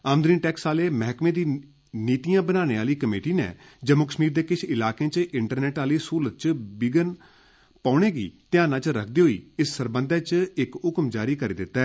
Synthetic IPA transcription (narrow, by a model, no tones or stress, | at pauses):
aːmd̪ɾiːnʈɛːksaːleːmɛɦkmẽːd̪iː | niːt̪ijãːbənaːñeːaːliːkəmeːʈiːnḛː | d͡ʒəmoːkə̥ʃmiːɾd̪eːkɪt͡ʃʰɪlaːkẽːt͡ʃɪɳʈəɾnɛːʈaːliːsuːlət̪̚t͡ʃbɪɡən | paːɽ̃eːɡḭːt̪ɪãːnãːt͡ʃɾək̚ʰd̪iːɦoːḭːɪsːəɾbənd̪ɛːt͡ʃɪkʊkmd͡ʒaːɾiːkəɾḛːd̪ɪt̪ːɛː